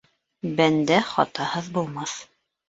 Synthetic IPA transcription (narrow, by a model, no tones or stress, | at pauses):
bænd̪æχɑ̰t̪ɑhɤðbulˠmɑθ